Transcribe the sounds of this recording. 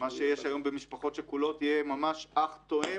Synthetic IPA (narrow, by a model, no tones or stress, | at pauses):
maʃejeʃajo̞mbemiʃpaχo̞t̪ʃekulo̞t̪ijemamaʃaχt̪oe